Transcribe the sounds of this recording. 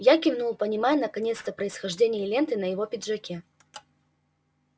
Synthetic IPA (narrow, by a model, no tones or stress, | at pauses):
jakʲɪvnulˠpənʲɪmajɛnəkɐnʲe̞t̪st̪əpɾəɪsxɐʐdʲenʲɪjəlʲe̞nt̪ɨnəjɪvopʲɪd̪ʐɐkʲe